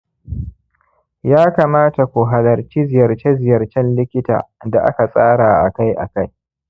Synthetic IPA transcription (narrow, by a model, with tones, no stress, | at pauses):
jaː˦kaː˨maː˦ta˨kʷu˨ɦa˨lɐ˨rt͡ʃi˦zɪ˨jɐ˨rt͡ʃe˦zɪ˨jɐ˨rt͡ʃɛ˦nlɪ˦kʲɪ˦ta̰ː˨da˨ʔa̰˦ka˨sʼaː˦ɽaː˨ʔa˨ka˦jʔa̰˨ka˦j